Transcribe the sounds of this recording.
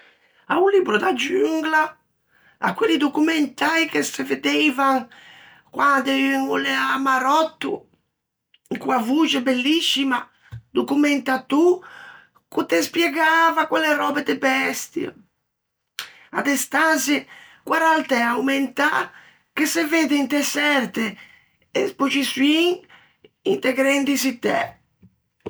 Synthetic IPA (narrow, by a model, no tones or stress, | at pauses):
aulibɾud̪ad͡ʒyŋɡla | a̰kːwelːid̪okumɛnt̪ajkeseved̪ɛejvaŋ | kwad̪eŋuleamaɾɔt̪ːṵ | ikuavud͡ʒebelːisːima | d̪okumɛnt̪at̪u | kut̪espjɛɡavakwɛleɾɔːbed̪ebɛst̪ja̰ | a̰d̪ɛst̪anzikwaɾalt̪ɛawment̪a̰ | keseved̪eint̪ɛsɛɾt̪e | espot͡ʃisuiŋ | int̪ɛɡɾɛnd̪isit̪ɛ̰